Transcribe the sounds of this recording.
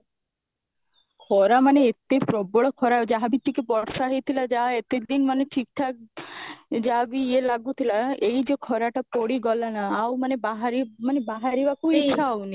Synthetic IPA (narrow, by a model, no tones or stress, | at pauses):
kʰɔɾamaneet̪epɾɔbɔɭɔkʰɔɾad͡ʒaɦabit̪ːikepɔɽsaɦet̪ʰilad͡ʒaɦaet̪ed̪inmaneʈʰikʈʰa | d͡ʒaɦabielaɡut̪ʰilaeid͡ʒekʰɔɾaʈapoɽiɡɔlanaːwmanebaɦaɾimanebaɦaɾiʋakuitːʃʰaawni